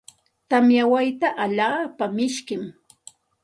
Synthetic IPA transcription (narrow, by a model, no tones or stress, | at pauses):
t̪amjawajt̪aʔaʎaːpamɪʃkɪm